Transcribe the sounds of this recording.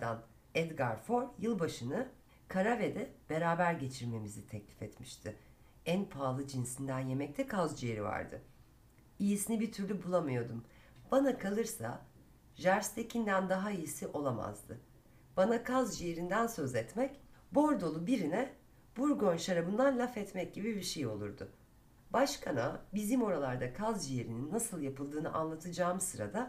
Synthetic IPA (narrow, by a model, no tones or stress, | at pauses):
d̪a̰n | ɛd̪ɡaɾfo̞ɾjɯlˠbaʃɯnɯ | kʰaɾaved̪ɛb̥e̞ɾaːbæɾɟe̞t͡ʃʰiɾme̞mizit̪ʰɛclʲi̥fɛt̪miʃt̪ʰɪ | ænpʰaːlˠɯd͡ʒinsind̪ænje̞mɛc̚t̪ʰɛkʰazd͡ʒejeɾiva̰ɾd̪ɯ̰ | ijisinibit̪ʰyɾlʲybulˠamɯjo̞d̪um | b̥anakʰalˠɯɾsa̰ | ʒæɾst̪ʰecʰind̪ænd̪aɦaijisiʔo̞lˠama̰zd̪ɯ | b̥anakʰazd͡ʒijeɾind̪ænsøzɛt̪mɛcbo̞ɾd̪o̞lˠubiɾinɛ | b̥uɾɡo̞nʃaɾabɯnd̪anlʲafɛt̪mɛc̚ɟibibiɾʃejo̞lˠuɾd̪ʊ̰ | baʃkʰanabizimo̞ɾalˠaɾd̪akʰazd͡ʒije̞ɾininːasɯlˠjapʰɯlˠd̪ɯːnɯʔa̰nlˠat̪ʰɯd͡ʒaːmɯsɯɾa̰d̪a